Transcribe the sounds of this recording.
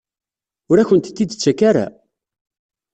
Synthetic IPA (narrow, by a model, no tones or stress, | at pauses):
ʊɾæçənt̪t̪ːid̪t͡sːækaɾa̰